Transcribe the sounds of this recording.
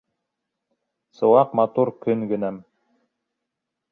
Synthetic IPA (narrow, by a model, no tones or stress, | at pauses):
sɤ̆wɑqmɑt̪uɾkɵŋɡɘ̆næm